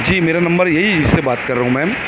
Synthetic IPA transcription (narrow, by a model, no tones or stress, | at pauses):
d͡ʒiːmeːɾanɐ̃mbəɾjeɦid͡ʒɪsːebaːt̪kɐɾːɐɦũmɛ̃ː